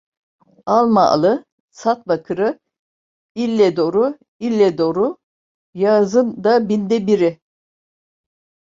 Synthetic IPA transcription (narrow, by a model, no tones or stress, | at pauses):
alˠma̰ːlˠɯ | sat̪̚bakʰɯɾɯ | ilʲːɛd̪o̞ɾu | ilʲːɛd̪o̞ɾu | jazɯnd̪abind̪ɛbiɾɪ